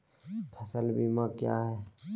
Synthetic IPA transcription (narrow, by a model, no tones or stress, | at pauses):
pʰəsəlbimãkja̰ːɦɛː